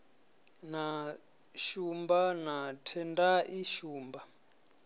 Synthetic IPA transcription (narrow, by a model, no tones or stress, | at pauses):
na | ʃumbanatʰɛndaʔiʃuːmba